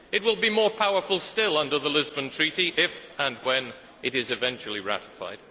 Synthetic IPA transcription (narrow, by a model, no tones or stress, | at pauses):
ɨt̚wɪlˠbimɔɹpʰaʊə˞fəl̩ˠstɪlˠʌ̃ndə˞ðəlɪzbə̃ntʰɹ̥iɾiʔɪfə̃nwɛ̃n | ɨɾɪzɨvɛ̃nt͡ʃl̩ˠiɹæ̰ɾɨfa̰ɪd̥